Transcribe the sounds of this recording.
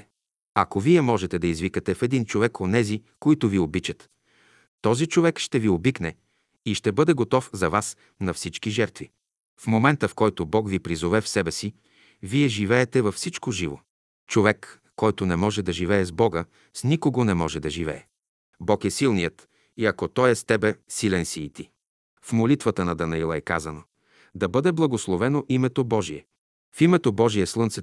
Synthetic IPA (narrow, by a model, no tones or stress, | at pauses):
ɐkoviɛmɔʒɛt̪ɛd̪ɐizvikət̪ɛfɛd̪int͡ʃovɛkonɛzikoit̪ʊviobit͡ʃət̪ː | ɔzit͡ʃovɛkʃt̪ɛviobiknɛ | iʃt̪ɛbɤd̪ɛɡot̪ɔfzɐvas | nɐfsit͡ʃk̟iʒɛɾt̪vi | fmomɛnt̪əfkɔjt̪obɔkvipɾizovɛfsɛbɛsi | viɛʒivɛɛt̪ɛvɐfsit͡ʃkoʒivo̰ | t͡ʃovɛkː | ɔjt̪onɛmɔʒɛd̪ɐʒivɛɛzbɔɡə | snikoɡonɛmɔʒɛd̪ɐʒivɛ̰ɛ | bɔkɛsilˠnijət̪ | iɐkot̪ɔjɛst̪ɛbɛsilɛnsiːt̪i | fmolit̪vət̪ənɐd̪ɐnɐilˠɐɛkazəno | d̪ɐbɤd̪ɛblˠɐɡoslˠovɛnoʔimɛt̪obɔʒiɛ | fimɛt̪obɔʒijɛslˠɤnt̪sɛ